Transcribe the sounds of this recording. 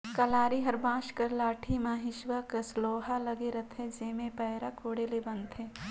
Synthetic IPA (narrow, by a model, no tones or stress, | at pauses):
kɐlaːɾiɦɐɾbãːʃkɐɾlaːʈʰimaːɦɪʃʋəkəsloːɦalɐɡeɾɐt̪ʰɦɛ̃d͡ʒeːmẽpɛːɾakʰoːɽelebɐ̃nt̪ɦɛː